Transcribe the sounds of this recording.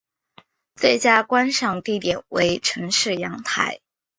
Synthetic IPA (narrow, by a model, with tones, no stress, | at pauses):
t͡swe˥˩ɪt͡ɕja˥kwa˥nʂɑ˥˧ŋt̪i˥˩t̪jɛ˨˩nwe˧˥ɪʈ͡ʂʰɤ˧˥ŋʂɻ̩˥˩jɑ˧˥ŋt̪ʰa̰˧˥ɪ